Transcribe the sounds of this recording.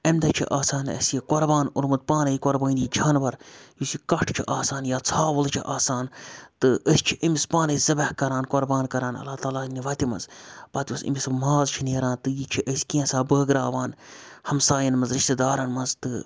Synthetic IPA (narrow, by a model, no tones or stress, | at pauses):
ɐmʲd̪ɐt͡ʃʰḭʔaːsaːnɐ̰sjikoɾbaːnuɾmɐt̪̚paːnɐikoɾbɐːnʲiːd͡ʒʱɐːnbɐɾjusikɐʈʰt͡ʃʰḭʔaːsaːnjaːt͡sʰaːʋɐlt͡ʃʰḭʔaːsaːnt̪ɨʔəsʲt͡ʃʰiʔɐmʲispaːnɐizɐbɐhkɐɾaːnkoɾbaːnkɐɾaːnɐ̰lːaːt̪aːlaːniʋɐt̪imɐ̰nzpɐt̪iusḭmʲismaːzt͡ʃʰineːɾãːnt̪ɨjit͡ʃʰiʔəsʲkĩẽsaːbəːɡɾaːʋaːnhɐmsaːjɐnmɐnzɾiʃt̪ed̪aːɾɐnmɐnzt̪ɨ̰